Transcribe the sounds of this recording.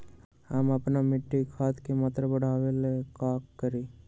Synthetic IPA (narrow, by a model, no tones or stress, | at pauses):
amɐpnamɪʈːikʰaːt̪kemat̪ɾəbəɽ̤ʱaːʋelekaːkːəɾiː